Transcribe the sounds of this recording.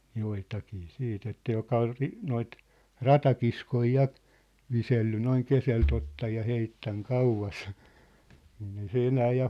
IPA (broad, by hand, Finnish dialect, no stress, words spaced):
joitɑkiː siːt etːæ jokɑ ol ri noit rɑtɑkiskoi jɑ ʋiselːy noiŋ keselt otːɑj jɑ heitːæŋ kɑuʋɑs niːn ei se enæː jɑ